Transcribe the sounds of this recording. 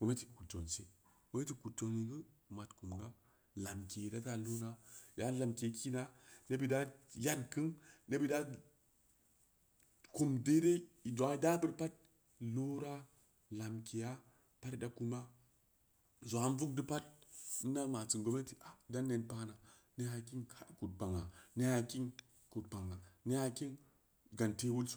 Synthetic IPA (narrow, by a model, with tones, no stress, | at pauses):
ɡ̥o˨me˦ti̥˨ku˨to̰˨nse˦ | wo˨˦e˦ti˨ku˨to˨ni˨ɡə˦ma˨tku˨mɡa˦ | la˨mke˨da˦ta˦lo˦na˦ja˦la˨mke˨ki˦na˦ne˦bi˨da˦ja˦dkɨ˦nne˦bi˦da˦ | ko˨mde˦de˦i˨do˨a˨˦i˦da˦bɨ˦ɾpa˦t̚ | lo˦ɾa˦ | la˨mki˨ja˦ | pa˦tda˨ku˦ma˦ | zo˨a˨˦n˦vu˦k̚di˦pa˦t̚ni˦na˦ma˨t͡si˨ŋɡo˨˦me˦ti˨ʔa˨da˦nːe˨npa˦na˨ | ne˦a˨ki˦nka˦ku˨t̚ba˨ŋa̰˨ne˦ha˨ki˦n | ku˨t̚ba˨ŋa˨ne˦ja˨ki˦n˨ | ɡa˨nte˦wu˦lsu̥˦